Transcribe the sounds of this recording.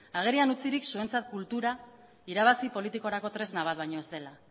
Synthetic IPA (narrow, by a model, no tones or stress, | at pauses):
aɣ̞e̞ɾianut͡siɾiksue̞nt͡sat̪̚kult̪uɾa | iɾaβ̞asipo̞lit̪iko̞ɾako̞t̪ɾe̞znaβ̞at̪̚βajɲo̞e̞zt̪e̞la